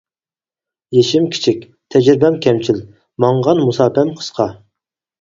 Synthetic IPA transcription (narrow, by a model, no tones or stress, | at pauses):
jeʃimkʲʰi̥t͡ʃʰik̚ʲ | t̪ʰɛd͡ʒɾɪbɛmkʲʰɛmt͡ʃʰil | mɑɴʁɑnmusɑːpʰɛmqʰə̥sqʰɑ